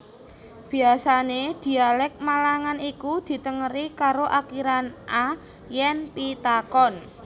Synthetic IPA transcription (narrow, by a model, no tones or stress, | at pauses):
b̥i̤asaned̪̥i̤alɛk̚malaŋanikud̪̥i̤t̪əŋəɾikaɾoʔakiɾanʔa | jɛnpit̪akɔn